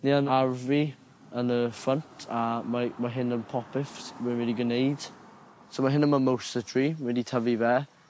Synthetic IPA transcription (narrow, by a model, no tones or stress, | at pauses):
niːanaɹvi | ənðəfɹəntʰamamaɦɪnə̃npʰɔpɪfswɛnɪliɡənejd̥ | sowmaɦɪnənməmowstətʰɹ̥imɪditʰəvivɛː